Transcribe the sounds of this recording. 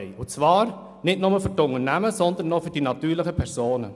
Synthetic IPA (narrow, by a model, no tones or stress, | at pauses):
ɪʊt͡sʋɑːɾ | nɪdnʊməfʏrtʊŋərnæməsɔnd̪ən̩ːɔfʏɾd̥inɑt̪yːɾləχəpʰɛɾsoːnə